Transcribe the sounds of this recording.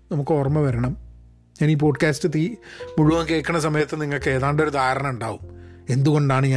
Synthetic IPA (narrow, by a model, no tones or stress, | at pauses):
nɐmukːɨorɐmːɐʋɐɾɐɳɐm | ɲaːniːp̬o̞ːɖkaːstɨt̪iːmuɻuʋɐŋke̞ːkːɐɳːɐsɐmɐjɐt̪ːɨniŋːɐɭkɨeːðaːɳɖo̞ɾud̪aːɾɐɳɐmuɳɖaːʋume̞nd̪uɣo̞ɳɖaːɳɨɲa